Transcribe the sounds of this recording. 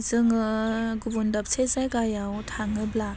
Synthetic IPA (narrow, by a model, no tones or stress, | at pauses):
zɯŋɯɡubundap̚sʰezajɡajawtʰaŋɯbla